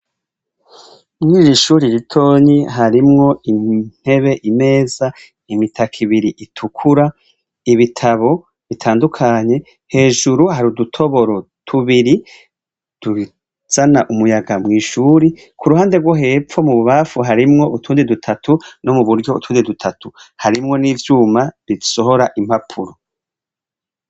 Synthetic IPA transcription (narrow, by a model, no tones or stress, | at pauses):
mŋiːɾiʃuɾiɾitʰo̞ːɲiɦaɾimŋo̞in̥he̞βe̞ʔime̞ːz̥a | imitʰakʰiβiɾiʔitʰukʰuɾa | iβitʰaβo̞ | βitʰaːndukʰaɲe̞ | he̞ːʒuɾuhaɾudutʰo̞βo̞ɾo̞tʰuβiɾi | d̥u | z̥anaʔumujaɡamŋiːʃuɾi | kʰuɾuhaːndeɡwoɦe̞p͡ffo̞muβuβafuɦaɾimŋo̞utʰuːndidutʰatʰuno̞muβuɾɟo̞ṵtʰuːndidutʰatʰuhaɾimŋo̞niːvjuːmaβiso̞ɦo̞ɾaʔimhapʰuɾo